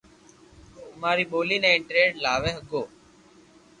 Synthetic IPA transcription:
maːɾiːɓoːliːnɛ̃ːɪɳʈɾeːɖlaːʋẽːɦəɡoː

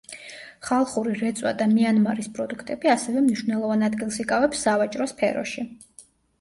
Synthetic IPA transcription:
χalˠχuɾiɾɛt̪sʼwa̰d̪amianmaɾispʼɾɔd̪ukʰt̪ʼɛbiasɛvɛmniʃwvnɛlˠɔvanad̪ɡilˠsikʼavɛpsːavat͡ʃʼɾɔspʰɛɾɔ̰ʃi

